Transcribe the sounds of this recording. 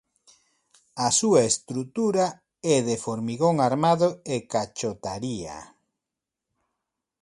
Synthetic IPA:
asuaest̪ɾut̪uɾa | ɛðefoɾmiɣoŋaɾmaðoekat͡ʃot̪aɾia̰

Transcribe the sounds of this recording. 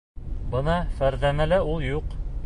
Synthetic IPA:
bɤnɑfæɾðæmælæulˠjuq

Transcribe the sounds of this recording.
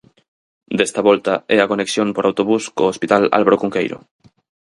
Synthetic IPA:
d̪est̪aβɔlt̪aɛɐkoneksjoŋpoɾawt̪oβuskoːspit̪ala̰lβaɾokuŋkejɾo̰

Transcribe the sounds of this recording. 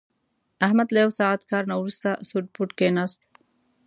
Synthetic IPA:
ʔahmad̪lewsaːʕat̪kaːɾnɐwɾust̪asuɖ̪̚puʈkenast̪̚

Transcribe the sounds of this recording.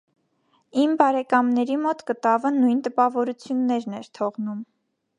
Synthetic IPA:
imbɑɾɛkɑmnɛɾimɔt̪kət̪ɑvənujnt̪əpɑvɔɾut͡sʰjunːɛɾnɛɾt̪ʰɔʁnum

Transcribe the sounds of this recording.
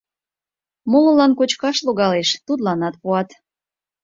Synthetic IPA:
molə̆lɑnkot͡ɕkɑʃloɣɑleʃt̪ud̪lɑnɑt̪̚puɑt̪

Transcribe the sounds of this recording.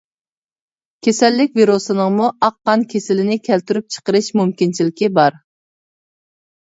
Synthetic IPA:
kʲʰesɛlːɪk̚ʲviɾusɨnəŋmuɑqːɑnkʲʰesɪlɪnɪkʲʰælt̪yɾyp̚t͡ʃʰə̥qəɾɨʃmumkʲint͡ʃʰilɪkʲibɑɾ

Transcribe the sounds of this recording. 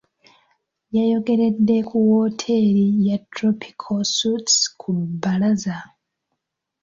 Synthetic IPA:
jajo̞ɡe̞ɾe̞dːe̞kuwoːtʰe̞ɾijatɾopʰi̥kʰosutskʰubalaza

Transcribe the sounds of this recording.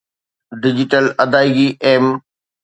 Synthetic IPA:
ɖɪd͡ʑɪʈəlɐd̪aːɪɡiʔeːm

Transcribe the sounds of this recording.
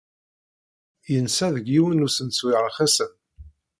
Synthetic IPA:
jənsæðəɡiwənusənswiʕɾaχæsəm

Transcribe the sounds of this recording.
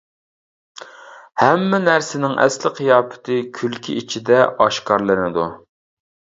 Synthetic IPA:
hɛmːɪnæɾsɪnɪŋʔɛ̰slɪqʰijɑːpʰɪ̥t̪ʰɨkʲʰylkʲʰḭʔit͡ʃʰid̪ɛʔɑʃkɑɾlˠɨnɪd̪u

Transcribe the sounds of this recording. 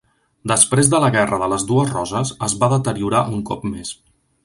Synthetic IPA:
d̪əspɾezðələɣɛrəðələzduəzrɔzəzəzβaðət̪əɾiuɾaʔuŋkɔ̰pmes

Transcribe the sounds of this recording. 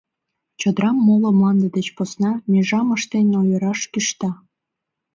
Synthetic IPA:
t͡ɕod̪ɾɑmːolŏmlɑnd̪əd̪et͡ɕposnɑmʲeʒɑməʃt̪enʲojəɾɑʃkiʃt̪ɑ

